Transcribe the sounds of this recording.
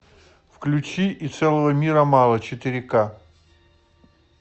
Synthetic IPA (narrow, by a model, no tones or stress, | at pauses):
fklʲʉt͡ɕiʔːt̪sɛlˠəvəmʲiɾəmɑlˠət͡ɕɪt̪ɪɾʲɪka